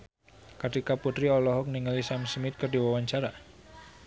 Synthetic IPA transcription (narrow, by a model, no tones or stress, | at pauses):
kət̪ikaput̪ɾiɔlɔɦɔk̚niŋalisamsmɪt̪̚kərdiwawaɲt͡ʃaɾa